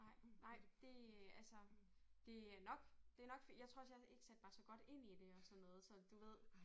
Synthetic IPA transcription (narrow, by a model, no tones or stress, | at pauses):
nɑ̈ɪ̰nɑ̈ɪ̰d̥e̝ælsəd̥e̝ænɒ̽ɡ̥d̥e̝ænɒ̽ɡ̥fjɑ̈t͡sʰʁo̰ɐɒsjɑ̈e̝ɡ̥sed̥̚b̥ɑ̈ːsɒ̽ɡ̥ɒ̽ɾ̥e̝n̰id̥e̝ɒ̽sɒ̽nːɔ̽ːð̩ˠsɒ̽d̥uʋe̝ð̞̰ˠ